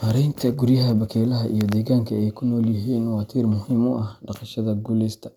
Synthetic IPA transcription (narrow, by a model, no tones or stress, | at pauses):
hɐɾɛjnt̪ʰɐɡʊrjɐɦɐbɐkʰɛːlɐɦɐʔḭjɔd̪ɛːɣaːŋkʰɐɛjkʰʊnɔːljɐɦiːnwɑːt̪ʰiːrmʊhiːmʊʔɐhɖɑqɑʃɐðɐɡʊlɪst̪ʰɐ̥